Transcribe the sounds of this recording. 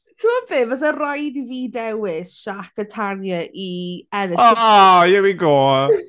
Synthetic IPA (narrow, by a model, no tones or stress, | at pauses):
tʰuɔbeːvɔθərajdiviːdɛwɪsʃakətʰanjəʔiɛɾəajəwiɡoː